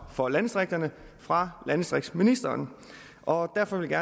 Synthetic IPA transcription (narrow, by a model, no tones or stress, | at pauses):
fɒ̽lænsd̥ʁeɡ̥̚d̥ɐnə | fʁɑ̈lænsd̥ʁeɡ̥sminisd̥ɐːn | ʔɒ̽d̥æɐfɒ̽ʋelɡ̥æɐ